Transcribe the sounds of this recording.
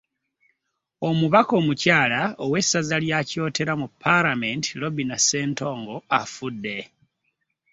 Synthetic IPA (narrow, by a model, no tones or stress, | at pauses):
o̞muβako̞ːmucaːlaowe̞sazaljaco̞ːte̞ɾamupʰːalamentilo̞binase̞ːnto̞ːŋɡo̞afudːe̞